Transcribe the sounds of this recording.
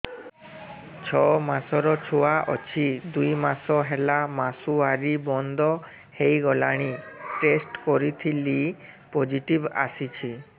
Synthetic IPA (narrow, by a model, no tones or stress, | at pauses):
t͡ʃʰɔmasɔɾɔt͡ʃʰoaʔɔt͡ʃʰid̪ujmasɔɦelamasuaɾibɔnd̪ɔ | hejɡɔlaɽ̃iʈesʈkɔɾit̪ʰilipod͡ʒiʈiba̰sit͡ʃʰi